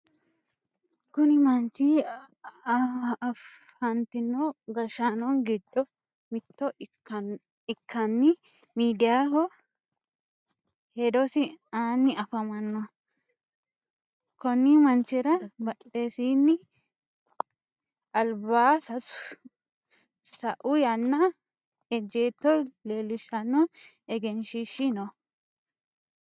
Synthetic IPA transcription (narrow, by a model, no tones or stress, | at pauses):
kʊnɪmɐnt͡ʃiː | fhɐnt̪ɪnːoːɡɐʃanɔnɡɪd̪ːɔ | mɪt̪ːɔ | ɪkːɐnːɪ | miːd̪ɪjaːɦɔ | hɛd̪ɔsɪaːnːɪɐfɐmɐnːɔ | kɔnːimɐnt͡ʃːɪɾɐbɐʔeːsiːnːɪ | ɐlbaːsɐsʊ | sɐʔʊjanːɐ | ɛd͡ʒeːt̪ːɔleːlɪʃɐnːɔ | ɛɡɛnʃiʃɪnɔ